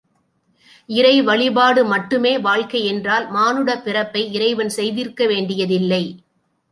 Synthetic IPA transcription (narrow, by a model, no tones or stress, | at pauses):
ɪɾɐɪʋɐɭɪbaːɽɯmɐʈːɯmeːʋaːɭkɐɪɛndraːlmaːnɯɽɐpːɪrɐpːɐɪɪɾɐɪʋɐnsɛjðɪrkɐʋeːɳɖɪjɐðɪlːɐɪ